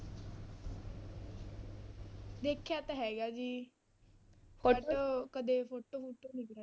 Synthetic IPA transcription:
d̪eːkʰːjaːt̪ãɦɛːɡaːd͡ʒiː | pʰoːʈoːkəd̪eːpʰoːʈoːfʰoːʈːoːnĩːkɾaː

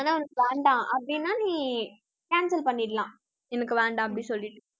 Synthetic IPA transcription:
aːnãːʊnɐkːɯʋeːɳɖãːʔɐpːɐɽinːaːnĩː | kaːnsɐlpɐɳːiʈlãː | ɛnɐkːɯʋeːɳɖãːɐpːɐɽĩsɔlːɪʈːɯ

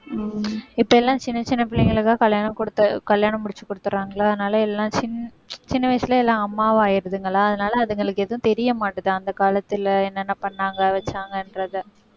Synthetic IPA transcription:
ɪpːoɛlːãːt͡ʃɪnːɐt͡ʃɪnːɐpɪlːɪŋɡɐɭɯkːaːkɐljaːnɐmkɔɽɯt̪ːɐkɐljaːnɐmːʊɽɪt͡ʃːɯkːɔɽɯt̪ːɯɾaːŋɡɐɭaːɐðɯnaːlɐɛlːãːt͡ʃɪnːɐ | t͡ʃɪnːɐʋɐɪsɪlɐɛlːãːɐmːaːʋaːjɪɾɐðɯŋɡɐɭaːɐðɐnaːlɐːðɯŋɡɐɭɯkːeːðɐʋʊ̃t̪ɛɾɪjɐmaːʈːɐðɯɐnd̪ɐkaːlɐt̪ːɪlɛnːɐnːapɐɳːaːŋɡɐʋɐt͡ʃːaːŋɡɐɪnɾɐðɯ

